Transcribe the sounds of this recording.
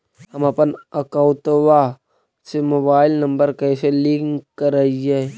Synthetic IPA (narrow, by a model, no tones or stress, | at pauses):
hɐmɐpənəkaʊt̪wa | semoːbaːɪlnɐ̃mbəɾkɛːselɪ̃ŋkkːəɾəie